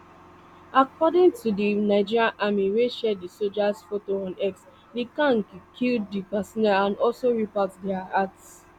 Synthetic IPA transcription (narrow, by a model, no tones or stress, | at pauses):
akɔdɪ̃ŋtʰudinaɪd͡ʒiɹjãnʔamiweʃɛdisod͡ʒasfotoɔ̃nɛks | dikãŋkkʰilddipasɔnɛãndɔlsoɹipɔtdɛaats